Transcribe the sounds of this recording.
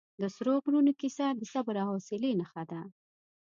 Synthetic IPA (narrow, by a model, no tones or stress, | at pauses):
d̪əsɾoɣɾunokisad̪əsabɾɑhosɪlenaxad̪a